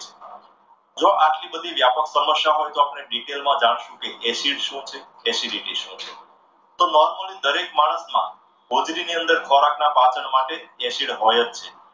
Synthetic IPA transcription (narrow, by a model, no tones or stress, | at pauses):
e | d͡ʒoʔaʈlibəd̪ʱiʋjapəksəməʃaɦojt̪oapneɖiʈelmãd͡ʒaɽ̃ʃũkeʔɛsiɽʃũt͡ʃʰe | ɛsiɾiʈiʃũt͡ʃʰe | t̪onɔɾməlid̪əɾekmaɽ̃əsmã̰ | ɦod͡ʒɾiniənd̪əɾkʰɔɾaknapat͡ʃəɳmaʈeːʃiɽɦojət̪̚t͡ʃʰe